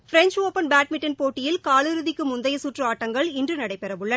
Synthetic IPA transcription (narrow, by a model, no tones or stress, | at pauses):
fɪɾɛnt͡ʃoːpɐnbaːʈ̚mɪʈːɐnpoːʈːɪjɪlkaːɭɯɾɯðɪkːɯmʊnd̪ɐjɐsuːʈrɯaːʈːɐŋɡɐɭɪndrɯnɐɽɐɪpɛɾɐʋɯɭːɐ